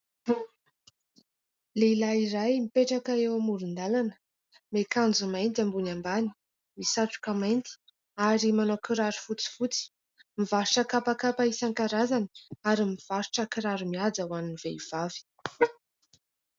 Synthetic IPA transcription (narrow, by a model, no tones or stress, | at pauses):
leilaiɾajmipeʈ͡ʂakaewamuɾund̪alanə̥ | mekand͡zumajnt̪̬ambunambani̥ | misaʈ͡ʂu̥kəmajnt̪i̥ | aɾimanokiɾaɾufut͡si̥fut͡si̥ | mivaɾuʈ͡ʂəkapakapaisaŋkaɾazanaɾimiv̥aɾu̥ʈ͡ʂəkiɾaɾumiad͡zawanniveiv̥avi̥